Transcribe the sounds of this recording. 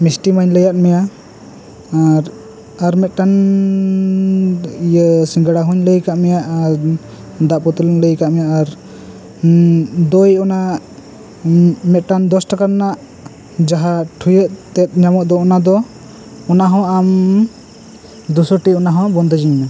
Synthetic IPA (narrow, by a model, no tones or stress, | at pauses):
misʈimaɲləjat̪̚mɛja | aɾ | aɾmɛt̪̚ʈan | jəsiŋɡəɽaɦuɲləjkaʔmɛjaʔaɾ | d̪aʔpɔt̪ulləjkaʔmɛjaʔaɾ | d̪ɔjɔna | mɛt̪̚ʈand̪ɔsʈakaɾnaʔ | d͡ʒaɦaʈʰujəʔt̪ɛt̪̚ˀɲamɔʔ̚d̪ɔɔnad̪ɔ | ɔnaɦɔ̃am | d̪usɔʈiɔnaɦɔ̃bɔnd̪ɔd͡ʒiɲna